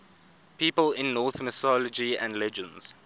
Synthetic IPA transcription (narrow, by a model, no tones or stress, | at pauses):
pʰiːpəlɪ̃nːɔːˑθməsɔləd͡ʒiæ̰̃ndlɛd͡ʒə̃ndz̥